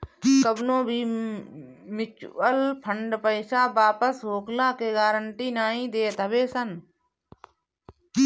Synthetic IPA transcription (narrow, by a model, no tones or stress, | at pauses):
kəbnõːbʱiː | mɪt͡ʃəlpʰəɳɖpəɪsaːbaːpəsɦoːklaːkeːɡaːɾəɳʈiːnaːɦĩːd̪eːt̪əbeːsən